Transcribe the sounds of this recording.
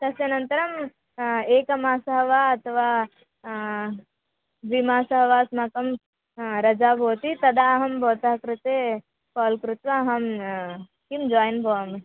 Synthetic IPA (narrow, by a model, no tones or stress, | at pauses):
d̪ɐsjɐnɐnt̪ɐɾɐm | eːkɐmaːsɐɦɐʋaːɐt̪ɐʋaː | ʋimaːsɐɦɐʋaːsmakɐm | ɾɐd͡ʒaːbʱoːt̪it̪ɐd̪aɦɐmbʱɔːt̪ɐɦɐkɾɪt̪e | kɔːlkɾut̪ʋaɦɐm | kimd͡ʒɔːjnbʱoːɐmi